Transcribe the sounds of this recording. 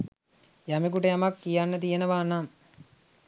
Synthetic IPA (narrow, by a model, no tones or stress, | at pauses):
jamek̬uʈəjamakːijanːət̪̬ijenəʋaːnam